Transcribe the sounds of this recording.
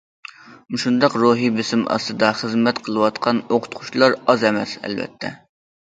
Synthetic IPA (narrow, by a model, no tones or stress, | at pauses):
mʃund̪ɑqɾuɦibɪsɪmʔɑ̰st̪ɨd̪ɑχəzmɛt̪qʰəlˠɨwɑt̪qʰɑnoqʰʊ̥t̪qʰʊ̥t͡ʃlˠɑɾɑzɛmɛsɛ̰lvɛ̰t̪ʰːɛ̰